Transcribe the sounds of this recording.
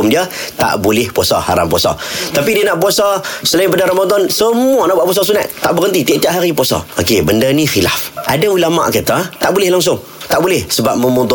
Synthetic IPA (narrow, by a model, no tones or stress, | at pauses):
mdiə | t̪a̰ʔbulɪhpuasa̰ha̰ɾa̰mpuasa̰t̪apidiənaʔpuasasəlaipadaɾamad̪ɔnsəmuanaʔbwaʔpuas̬ɔsuna̰ʔt̪aʔbəɣənt̪it̪iaʔt̪iaʔɦaɾipuasa̰okebəndənixila̰fʔadaulama̰ʔkət̪at̪aʔbulɪhlaŋs̬ʊŋ | t̪aʔbulɪhsəbap̚məmud̪ɔ